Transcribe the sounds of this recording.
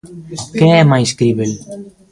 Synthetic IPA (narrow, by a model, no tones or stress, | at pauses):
keɛmajskɾiβel